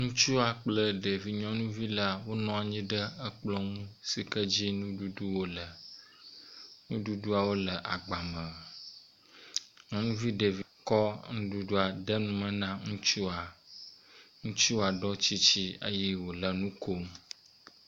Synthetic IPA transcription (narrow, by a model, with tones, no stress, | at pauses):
ŋũ˦t͡ʃu˦a˨k͡plə˦ɖe˨vi˨ɲɔ̃˦nũ˦vi˦la˦wo˦nɔ̃˦a˨ɲĩ˦ɖə˦ə˦k͡plɔ˦ŋũ˦si˨kə˦d͡ʑi˦nũ˦ɖu˦du˦wo˦lə˨ | ŋũ˦ɖu˦du˦a˨wo˦lə˨ʔa˨ɡ͡ba˨mə˨ | ɲɔ̃˦nũ˦vi˦ɖe˨vi˨kɔ˦ŋũ˦ɖu˦ɖu˦a˨ɖə˦nũ˦mə̃˨nã˦ŋũ˦t͡ʃu˦a˨ | ŋũ˦t͡ʃu˦a˨ɖɔ˦t͡ɕi˦t͡ɕi˦ə̰˦jɛ˦wo˨lə˨nũ˦ko˦m